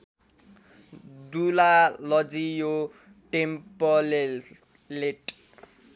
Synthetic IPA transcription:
d̪ulalʌd͡zijo | ʈempɔl | leʈ

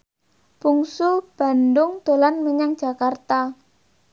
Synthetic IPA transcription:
b̥uŋsub̥a̤ndʊŋd̪̥o̤lanməɲaŋd̥ʒ̥a̤kart̪a

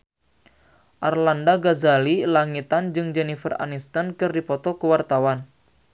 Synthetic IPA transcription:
ʔarlandaɡazalilaŋit̪and͡ʒɨŋd͡ʒɛnifəra̰nist̪ankɨrdipɔt̪ɔkəwart̪awan

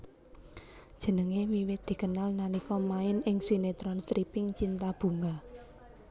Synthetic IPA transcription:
d̥ʒ̥ə̤nəŋewiwɪt̪̚d̪̥i̤kənalnanikɔmaɪnɪŋsinet̪ɾɔnst̪ɾipɪŋt͡ʃint̪ab̥ṳŋa

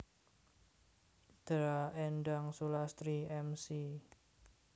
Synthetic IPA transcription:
d̪̥ɾaɛnɖaŋsulast̪ɾiɛmsi

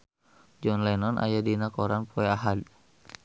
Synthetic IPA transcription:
d͡ʒɔnlɛnɔnʔa̰jadinakɔɾanpʰɔɛaɦad

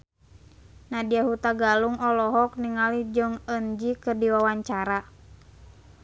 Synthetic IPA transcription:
nadiaɦut̪aɡaluŋʔɔlɔɦɔk̚niŋalid͡ʒɔŋənd͡ʒikɨrdiwawaɲt͡ʃaɾa

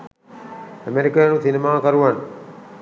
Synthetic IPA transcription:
əmeɾikajnusinemaːkɐɾuʋan

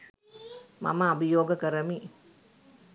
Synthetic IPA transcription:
ma̰məːbijoːɡəkəɾəmi

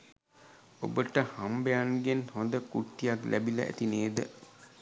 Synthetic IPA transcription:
o̰bəʈəhambeanɡenhond̪əkuʈːijaklæbilə̰ʔæ̰t̪ineːd̪ə

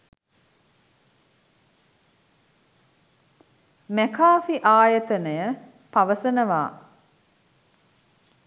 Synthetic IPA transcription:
mækaːfiʔaːjət̪ənəjə | paʋəsənəʋaː

